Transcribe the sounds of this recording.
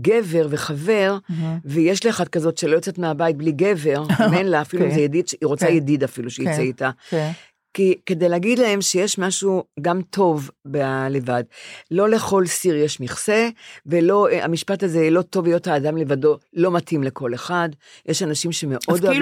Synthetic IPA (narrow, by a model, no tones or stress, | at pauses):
ɡe̞ve̞ʁve̞χave̞ʁvejeʃlieχad̚kazo̞tʃelo̞jot͡setmeabajit̚bliɡe̞ve̞ʁmenlaːfiluimzejedid̪ʃiʁo̞t͡sajedidafiluʃejit͡seita | kike̞de̞jleaɡid̪lae̞mʃejeʃmaʃuɡamtʰo̞vbele̞vadlo̞le̞χo̞lsiʁjeʃmiχse̞velo̞a̰miʃpataze̞lo̞to̞vijothaːdamle̞vado̞lo̞matʰimle̞ko̞le̞χadjʔeʃanaʃimʃe̞me̞ʔod